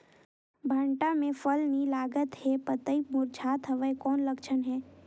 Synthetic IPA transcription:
bʱəɳʈamẽfəlnilaːɡət̪hɛpət̪əimʊɾt͡ʃʰaːt̪ɦəʋəekɔːnlɐkt͡ʃʰənɦɛː

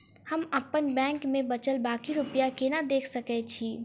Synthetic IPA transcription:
həməpənbɛ̃ːŋkmẽbət͡ʃəlbaːkiɾʊpjakenad̪eːkʰsəkɛt͡ʃʰiː

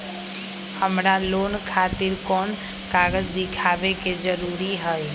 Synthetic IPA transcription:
həmɾaloːnkʰat̪iɾkɔn | kaɡəd͡ʒd̪ɪkʰabeked͡ʒəɾuɾiɦəj

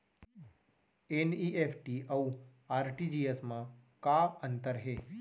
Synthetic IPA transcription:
eniʔefʰʈiʔəũaːɾʈid͡ʒiesmãkaənt̪əɾɦe

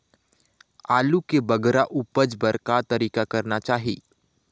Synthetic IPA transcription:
aːlukebəɡɾaʔupəd͡ʒbəɾkat̪ɐɾiːkakɐɾnat͡ʃaːɦḭː

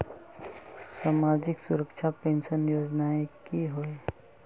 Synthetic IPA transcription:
saːmaːd͡ʒɪksʊɾəkt͡ʃʰapẽːnʃənjoːd͡ʒnaekiɦoe

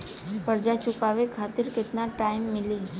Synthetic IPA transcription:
pəɾd͡ʒat͡ʃukaʋekʰat̪iɾkɪt̪naʈaimːɪli

